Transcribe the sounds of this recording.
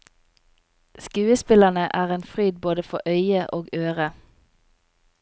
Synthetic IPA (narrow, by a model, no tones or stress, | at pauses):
skʉːəspɪlənəʔæːʁeːnfʁyːd̪̚boːd̪əfɔʔœʏəʔoːɡøːʁə